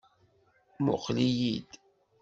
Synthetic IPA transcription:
mʊ̰qlijid̪

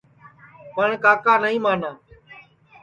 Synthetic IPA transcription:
pəɳkaːkaːnəɦĩːmaːnãː

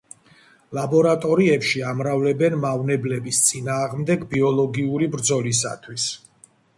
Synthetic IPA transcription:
labɔɾat̪ʼɔɾiɛpʃiamɾavlɛbɛnmavnɛblɛbist̪sʼinaːʁmd̪ɛɡbiɔlˠɔɡiuɾibɾd̪zɔlis̬a̰t̪ʰwis

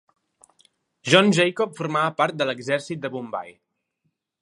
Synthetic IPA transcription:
ʒɔnʒɛjkɔpfuɾmaβəpaɾt̪̚d̪ələɡzɛɾsit̪̚d̪əβumba̰j

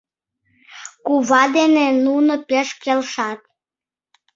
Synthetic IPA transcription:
kuβɑd̪enenunopeʃkelʃɑt̪̚

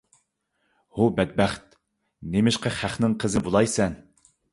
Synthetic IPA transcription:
hubɛd̪̚bæχt̪̚ | nemɪʃqɑχæχnɪŋqʰəzɪbolˠɑjsɛn

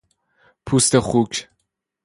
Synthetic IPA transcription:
pʰust̪eχukʰ

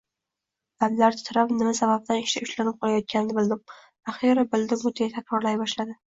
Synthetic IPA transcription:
d̪̥amlaɾt̪ɪ̥t̪ʰɾapnɪmasabab̚d̪anɪʃt̪aʊʃlanɪp̚qʰɒlajɒt̪̚kʲʰanɪnɪbɪld̪ɪm | aχiɾabɪld̪ɪmʊt̪ʰajat̪ʰakʲɾɒɾlajbɒʃlad̪ɪ

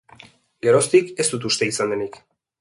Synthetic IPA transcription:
ɡe̞ɾo̞st̪ike̞st̪ut̪̬ust̪e̞isand̪e̞nik

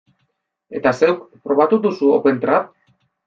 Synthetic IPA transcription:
e̞̰t̪ase̞wkpɾo̞β̞at̪ud̪usuope̞nt̪ɾa

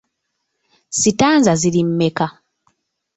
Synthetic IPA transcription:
sitaːnzaziɾimːe̞ka

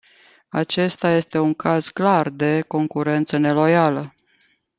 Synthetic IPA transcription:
at͡ʃe̞st̪aje̞st̪e̞uŋkaz̥klard̪e̞ko̞ŋkuɾe̞nt̪səne̞lo̞jalə

